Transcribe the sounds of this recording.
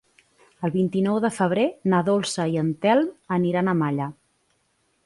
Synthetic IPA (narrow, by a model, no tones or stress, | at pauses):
əlˠβint̪inɔwðəfəβ̞ɾenəðolˠsəiənt̪ɛlˠməniɾanəmaʎə